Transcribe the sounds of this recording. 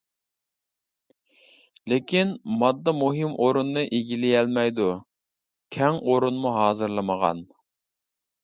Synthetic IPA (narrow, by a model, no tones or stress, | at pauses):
lekʲinmɑd̪ːɨmuɦɨmʔoɾunːɨʔeɡʲilɪjɛlmɛjd̪u | kʲʰɛŋʔoɾunmuɦɑːzɨɾlˠməʁɑ̰n